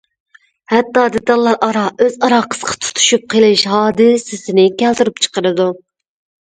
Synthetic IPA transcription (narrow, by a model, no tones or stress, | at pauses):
hɛt̪ːɑːd̪ɪt̪ɑlˠːɑɾʔɑɾɑʔøzɑɾɑqʰə̥sqʰɑ̥t̪ʰu̥t̪ʰu̥ʃup̚qʰəlˠɨʃɦɑːd̪ɨsɪsɪnɪkʲʰɛlt̪yɾyp̚t͡ʃʰə̥qəɾɨd̪u